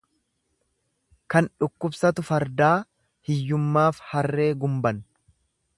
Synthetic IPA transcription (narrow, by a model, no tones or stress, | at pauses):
kɐnᶑʊkːʊbsɐt̪ʊfɐɾd̪aː | hɪjːʊmːaːfhɐrːe̞ːɡʊmbɐn